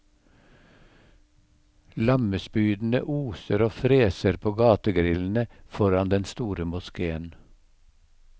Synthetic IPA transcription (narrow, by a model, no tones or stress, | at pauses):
lɑməspyːd̪n̩ə̰ʔuːsəɾoːfɾeːsəɾpʰoːɡɑːt̪əɡɾɪln̩əfɔɾɑnd̪ɛnst̪uːɾəmʊskeːən